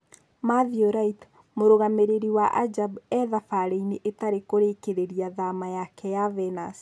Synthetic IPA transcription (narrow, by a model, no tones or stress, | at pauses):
maðioɾait | moɾoɣameɾeɾiwaʔad͡ʒabɛðafaɾeineʔetaɾekoɾekeɾeɾiaðamajakɛjavɛnas